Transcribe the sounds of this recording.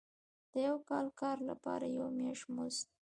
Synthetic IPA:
d̪̥əjawkɑlkɑɾla̰pɑ̰ɾajawmeʂmost̪̚

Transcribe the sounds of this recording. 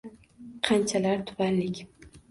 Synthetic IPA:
qʰant͡ʃʰalaɾt̪ʰʊ̥panlɪkʲ

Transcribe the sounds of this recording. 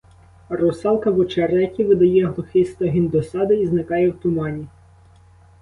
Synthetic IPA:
rɔsɑlˠkɐʋɔt͡ʃeɾɛkʲiʋɪd̪ɐjɛɦlˠʊxɪst̪ɔɦʲind̪ɔsɑd̪ɪiznɪkɑjɛwt̪ʊmɑnʲi

